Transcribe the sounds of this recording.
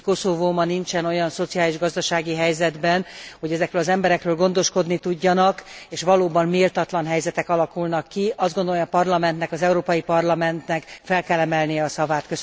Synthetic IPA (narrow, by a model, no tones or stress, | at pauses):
ko̞sovoːmɒnint͡ʃɛno̞jɒnso̞t̪sijaːliʒɡɒzd̪ɒʃaːɡiɦɛjzɛd̪bɛnho̞ɟɛzɛkrøːlɒzɛmbɛɾɛkrøːlɡo̞nd̪o̞ʃko̞d̪nit̪uɟːɒnɒkeːʃʋɒloːbɒnmeːlt̪ɒt̪lɒnɦɛjzɛt̪ɛkɒlɒkulnɒkːiʔɒzdɡo̞nd̪olojɒpɒrlɒmɛnt̪nɛkɒzɛuɾoːpɒjipɒrlɒmɛnt̪nɛkfɛlkɛlːɛmɛlnijɛɒsɒvaːt̪køs